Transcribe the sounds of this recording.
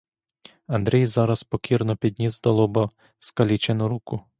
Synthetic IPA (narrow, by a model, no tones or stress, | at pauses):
ɐnd̪ɾɛjzɑɾɐspɔkʲiɾnɔpʲid̪ʲnʲizd̪ɐlˠɔbɐ | skɐlʲit͡ʃenʊɾukʊ